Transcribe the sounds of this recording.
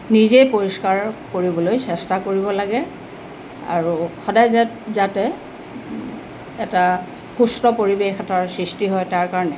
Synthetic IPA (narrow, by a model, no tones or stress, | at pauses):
nizejpoɹiskaɹkoɹibɔlojsɛstakoɹibɔlaɡɛ | a̰ɹuxɔdajzɛtzatɛ | ɛta | xustɔpoɹibexɛtʰaɹsɹistiɦɔjtaɹkaɹɔnɛ